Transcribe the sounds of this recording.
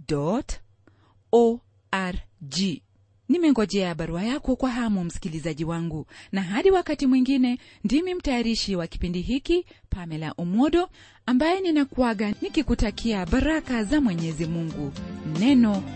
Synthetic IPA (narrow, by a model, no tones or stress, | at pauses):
dɔt | ɔ | aɾd͡ʒi | nimɛŋɡɔʄɛaɓaɾuajakɔkwaɦamum̩si̥kilizaʄiwaŋɡunaɦaɗiwakatimwiŋɡinɛ | ndimim̩tajaɾiʃiwaki̥pindiɦikipamɛlaʔumɔɗɔ | ambajɛninakuaɠanikikutakʰiaɓaɾakazamwɛɲɛzimuŋɡunɛnɔ